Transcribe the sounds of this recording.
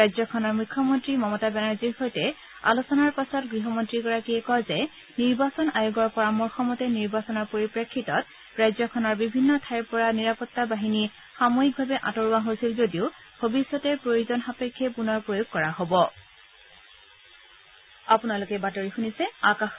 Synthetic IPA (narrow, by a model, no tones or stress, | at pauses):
ajzɔkʰɔnɔɹmukʰːɔmɔntɹimɔmɔtabɛnaɹziɹxojtɛ | a̰losɔnaɹpasɔtɡɹiɦɔmɔntɹiɡɔɹakiɛkɔjzɛ | niɹbasɔnajuɡɔɹpɔɹamuɹxɔmɔtɛniɹbasɔnɔɹpoɹipɹekʰːitɔt̚ | ɹajzɔkʰɔnɔɹbibʱinːɔtʰajɹpɔɹaniɹapɔtːabaɦini | xamoik̚bʱabɛʔa̰tɔɹuaɦojsilzodiʊ | bʱobisːɔtɛpɹojozɔnxapekʰːɛpunɔɹpɹojoɡ̚kːɔɹaɦobɔ | apunalʊkɛbatoɹixunisɛakax